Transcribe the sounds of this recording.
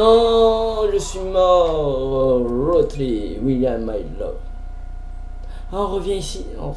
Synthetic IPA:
ɔ̃ʒəsɥimɔ | ɹot̪lewiljamːajlɔ̰v | ɔ̃ʁəvjɛ̃isi | ɔ̰̃

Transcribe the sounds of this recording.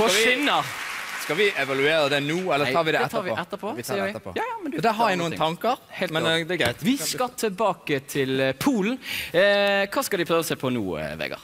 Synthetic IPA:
fɔɪnːəskɑʋɪʔɛʋɑlʉeːɾəd̪ɛnuːɛləɑːɾʋɪd̪ɛɛt̪ʰɑːɾʋɪʔɛt̪ːəpʰɔsɛːəɪ̰md̪d̪ɛɦɑɾjæɪnuːənʰɑŋkəɾhɛlmɛd̪ɛɡɾæɪt̪ʋɪsskɑt̪ʰɪlbɑːkət̪ʰɪlpʰuːln̩ | kʰɑːskɑlɪpʰɾøːʋəsɛpʰɔnṵːʋɛ̰ːɡə̰ʁ

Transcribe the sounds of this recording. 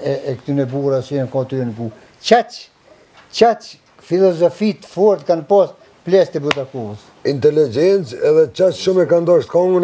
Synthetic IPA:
ɛɛkt̪ynɛbuɾasiɛnkɔ̃t̪yɛnɡu | t͡ʃat͡ʃ | t͡ʃat͡ʃ | filɔzɔfit̪fɔɾt̪kanpɔs | plɛst̪ɛbut̪akuəs | int̪ɛlid͡ʒɛnt͡sɛðɛt͡ʃat͡ʃʃumɛkand̪ɔʃt̪̚kɔŋɡən

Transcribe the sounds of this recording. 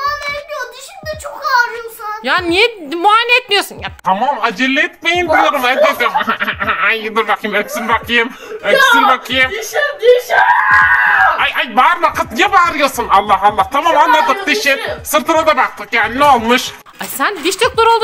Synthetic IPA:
t͡ʃʰok | jaːnijɛmuaːnʲeɛt̪̚mijosunjat̪ʰamamad͡ʒɛlʲːeɛt̪̚mejinb̪ulˠuɾɯmɛt̪ad̪ɯmajɯd̪ɯɾbakʰɯjɯmekʲsinbakʰɯjɯm | øksiɾbakʰɯjɯm | ajajbaɾbakʰɯt̪jɛbaɾɯjɯsɯnalˠːɑɦalˠːaht̪ʰamaːmanlˠad̪ɯk̚d̪iʃɪsɯɾt̪ʰɯnad̪abak̚t̪ʰɯkjaːnineolˠmɯʃ | asænd̪iʃt̪oklˠaɾolˠd̪

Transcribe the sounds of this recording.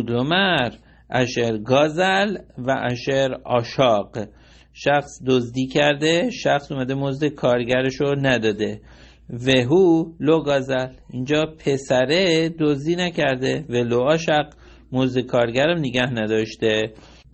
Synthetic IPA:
d̪omæɾ | ʔæʃeɾɡɒːzælvæʔæʃeɾɒːʃɒːɢ | ʃæxsd̪ozd̪iːkʰæɾd̪eʃæxsumæd̪emozd̪ekʰɒːɾɟæɾeʃonæd̪ɒːd̪e | veɦuloɡɒːzælind͡ʒɒːpʰe̞sæɾed̪ozd̪iːnæcʰæɾd̪evæloɒːʃæq | mozd̪ekʰɒːɾɡæɾæmneɡæhnæd̪ɒːʃt̪e

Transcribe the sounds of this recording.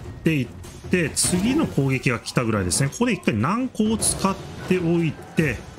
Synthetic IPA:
t̪ːe̞it̪ːe̞t͡sɨɡʲino̞ko̞ːɡʲe̞kʲiɡakʲi̥t̪aɡɯ̟ɾaid̪e̞sɨne̞ko̞ko̞d̪e̞ikːainãŋko̞ːt͡sɨ̥kat̪ːe̞o̞it̪e̞

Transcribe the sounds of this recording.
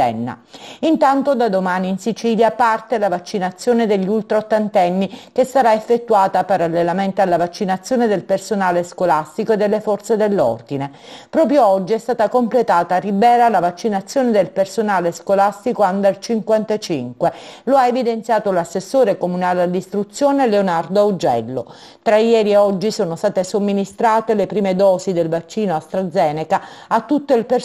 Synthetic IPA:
ɛ̰nːa̰int̪ant̪od̪ad̪omaːniːnsit͡ʃiːljapart̪elavat͡ʃːinat̪sːjoːned̪eʎːult̪ɾaot̪ːant̪ɛnːikesːaɾaefːet̪ːuaːt̪apaɾalːelament̪ealːavat͡ʃːinat̪sːjoːned̪elpersonaːleskolast̪ikoed̪ːelːefɔrt̪sed̪elːɔ̰rd̪ine | pɾɔːpɾjoɔd͡ʒːiɛst̪aːt̪akomplet̪aːt̪aribɛːɾalavat͡ʃːinat̪sːjoːned̪elpersonaːleskolast̪ikoand̪alt͡ʃiŋkwant̪at͡ʃiŋkweloaevid̪ent̪sjaːt̪olasːesːoːɾekomunaːlealːist̪ɾut̪sːjoːneleonard̪oaud͡ʒɛ̰lːo | t̪ɾajɛːɾieɔd͡ʒːisoːnost̪aːt̪esomːinist̪ɾaːt̪elepɾiːmed̪ɔːsid̪elvat͡ʃːiːnoast̪ɾad̪zːɛːnekaat̪ːut̪ːoilper

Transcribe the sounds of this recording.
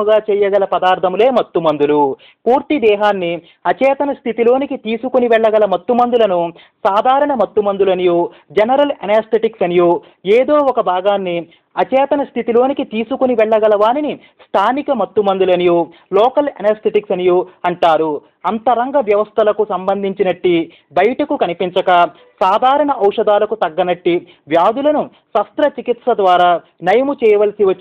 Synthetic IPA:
uɡaːt͡ʃɛːjɐɡɐlɐpɐd̪aːɾt̪ʰɐmule̞ːmɐt̪ːumɐnd̪ulu | puːɾt̪id̪ɛːɦaːnːi | ɐt͡ʃɛːt̪ɐnɐst̪ʰit̪ilo̞ːnikit̪iːsukuniʋɛɭːɐɡɐlɐmɐt̪ːumɐnd̪ulɐnu | saːd̪ʱaːɾɐɳɐmɐt̪ːumɐnd̪ulɐnijoː | d͡ʒɐnɐɾɐlɐneɾst̪ʰeʈiksɐnijoː | eːd̪oːɔkɐbʱaːɡaːnːi | ɐt͡ʃɛːt̪ɐnɐst̪ʰit̪ilo̞ːnikit̪iːsukuniʋɛɭːɐɡɐlɐʋaːnini | st̪ʰaːnikɐmɐt̪ːumɐnd̪ulɐnijoː | lɔːkɐlɐ̰nɐɾst̪ʰeʈiksɐnijoːɐɳʈaːɾu | ɐnt̪ɐɾɐŋɡɐʋjɐʋɐst̪ʰɐlɐkusɐmbɐnd̪ʱiɲt͡ʃinɐʈːi | bɐjɐʈɐkukɐnipiɲt͡ʃɐkɐ | saːd̪ʱaːɾɐɳɐʔɐwʂɐd̪aːlɐkut̪ɐɡːɐnɐʈːi | ʋjaːd̪ulɐnu | sɐst̪ɾɐt͡ʃikit̪sɐd̪ʋaːɾaː | nɐjɐmut͡ʃɛːjɐʋɐlɐsiʋɐt͡ʃː

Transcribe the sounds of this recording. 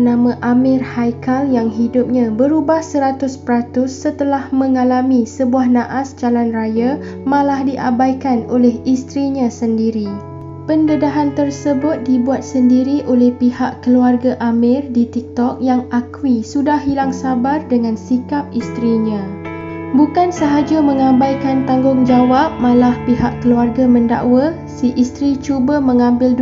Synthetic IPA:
nãmãʔamɪrhajkaljaŋɦidʊp̚ɲãbəɾubahsəɾat̪ʊspəɾat̪ʊsːət̪əlahmə̃ŋalamĩsəbuahnãʔasd͡ʒalanraja | mãlahdiʔa̰bajkanolɛhist̪ɾiɲãsəndiɾi | pəndədaɦant̪ərsəbʊt̪̚dibuat̪̚səndiɾiʔolɛhpihaʔkəluarɡaʔamɪ̃rdit̪ik̚t̪ɔk̚jaŋakwisudahilaŋsabardəŋãnsikap̚ist̪ɾiɲã | bukansəɦad͡ʒamə̃ŋãbajkant̪aŋɡʊŋd͡ʒawap̚mãlahpiɦaʔkəluarɡamə̃nda̰ʔwa | siʔist̪ɾit͡ʃubamə̃ŋãmbɪl

